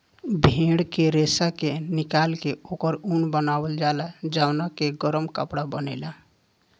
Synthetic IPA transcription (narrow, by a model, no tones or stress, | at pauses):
bʱeɽkeɾesakenikalkeokəɾunbənabəld͡ʒalad͡ʒawnakeɡəɾəmkəpɽabənɛɪla